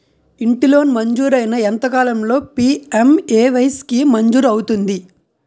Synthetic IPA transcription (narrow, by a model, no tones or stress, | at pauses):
iɳʈilo̞ːnmɐɲd͡ʒuːɾɐjnɐɛnt̪ɐkaːlɐmlo̞ːpiːemeːʋɐjskimɐɲd͡ʒuːɾɐwut̪und̪i